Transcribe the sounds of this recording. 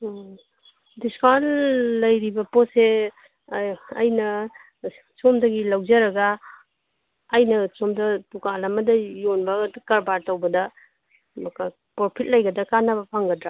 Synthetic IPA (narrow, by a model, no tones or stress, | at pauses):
diskalːɐjɾibɐpɔse | jnɐ | t͡ʃomdɐɡilawd͡ʒaɾɐɡa | jnɐt͡ʃomdɐtukalamɐdɐjonbɐːdukaɾbaɾtawbɐdɐ | mɐka | pɔɾpʰit̚lajɡɐdɐkanabɐpʰaŋɡɐdɾa